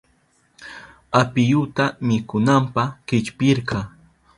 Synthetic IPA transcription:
apɪjʊt̪amɪkʊnampɑχkɪt͡ʃpɪɾqɑ

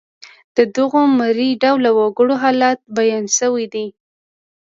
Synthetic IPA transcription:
d̪̥əd̪əɣomaɾiɖawlːawɑɡəɽoɦɑlɑt̪̚bajɑnsəwid̪i

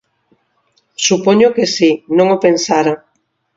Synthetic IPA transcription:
supoɲʊkesinõŋopensaɾa

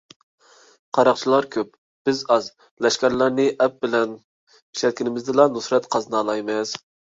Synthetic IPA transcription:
qʰɑɾɑqt͡ʃʰilˠɑɾkʲʰøp̚ | b̥ɪzɑz | lɛʃkʲɛɾlˠæɾnɪʔɛp̚bɪlɛn | i̥ʃɛt̪̚kʲinɪmɪzd̪ɪlˠɑnusɾɛt̪qʰɑznɑːlˠɑjmɪz̥

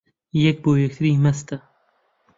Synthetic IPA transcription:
jɐk̚boːjek̚t̪ʰɾiːmɐst̪ɐ

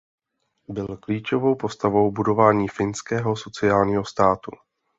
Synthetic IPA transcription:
bɪlkliːt͡ʃo̞vo̞wpo̞st̪avo̞wbudo̞vaːɲiːfɪnskɛːɦo̞so̞t͡sɪaːlɲiːɦo̞st̪aːt̪ṵ

